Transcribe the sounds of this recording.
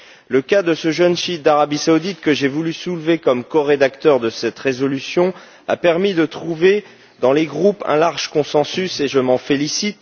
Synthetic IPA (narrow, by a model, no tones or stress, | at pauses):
ləkad̪əsəʒənʃid̪aʁabisaud̪it̪̚kəʒevulysulvekɔmkɔʁed̪akt̪œʁd̪əsɛt̪ʁezɔlysjɔ̃ | a̰pɛʁmid̪ət̪χuve | d̪ɑ̃leɡʁupɛ̰̃laʁʒkɔ̃sɑ̃syseʒəmɑ̃felisit̪